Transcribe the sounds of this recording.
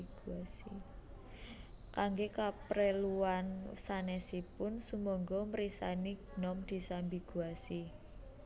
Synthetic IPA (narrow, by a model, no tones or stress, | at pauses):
ɡ̥uasi | kaŋɡekapɾeluansanɛsipʊnsumɔŋɡɔmɾisa̰niɡnɔmd̪̥i̤sambiɡ̥ṳasi